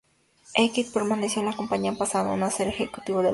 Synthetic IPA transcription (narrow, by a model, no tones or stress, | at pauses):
ʔekit̪̚peɾmanesjonlakompaɲiampasanonaseɾexekut̪iβod̪e